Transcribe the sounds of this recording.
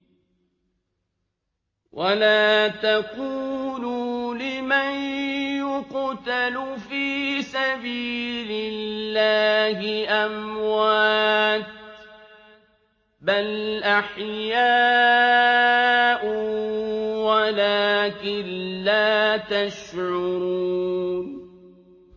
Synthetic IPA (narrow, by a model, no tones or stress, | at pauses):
wʔalaːt̪aquːlulɪmanjʊqt̪alfiːsabiːlɪlːaːhɪʔamwaːt̪̚ | balʔaħjaː | ʔʊ | walaːkɪnːaːt̪aʃʕʊʊɾun